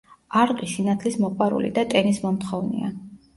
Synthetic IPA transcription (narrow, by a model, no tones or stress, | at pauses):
aɾqʼisinat̪ʰlismɔqʼwaɾṵlḭd̪at̪ʼɛnismɔmt̪χɔvnḭa̰